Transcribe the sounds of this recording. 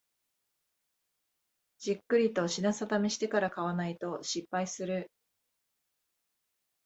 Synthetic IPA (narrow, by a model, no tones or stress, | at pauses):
d͡ʑikːɯ̟ɾʲit̪o̞ɕinasat̪ameɕi̥t̪e̞kaɾakaβanait̪o̞ɕipːaisɨɾɯ̟